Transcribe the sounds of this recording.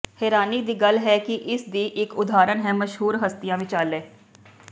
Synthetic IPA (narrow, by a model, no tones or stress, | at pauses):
hɛːɾaːniːd̪iːɡəlɦɛːkɪʔɪsd̪iːʔɪkʊd̪aːɾənɦɛːməʃɦuːɾɦəst̪ɪjãːʋɪt͡ʃaːleː